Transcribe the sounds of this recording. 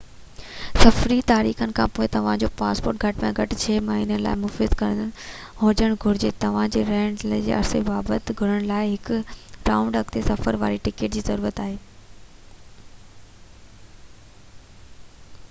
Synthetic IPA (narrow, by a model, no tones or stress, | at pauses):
sɐfɾit̪aːɾḭːxənɪ̆kʰãːpoːɪt̪ɐʋ̤ãd͡ʑoːpaːspo̰ːɾʈ̚ɡʱɐʈmẽɡʱɐʈɪt͡ɕʰeːmaɦiːnəla̰ːɪmʊfɪzkɐɾ̃nənɪ | ɦõːd͡ʑəɽ̃ɡʱʊɾɪd͡ʑeːt̪ɐʋ̤ãd͡ʑeɾɛɦəɽ̃ld͡ʑḛːɐ̰ɾsebaːbət̪ɡʱʊɽ̤əɽ̃laːɪɦɪkʊɾãːʊ̃ɳɖəkt̪ʰesɐfəɾʋa̰ːɾiʈɪkeːʈ̚d͡ʑiːzɐɾuːɾət̪aːɦeː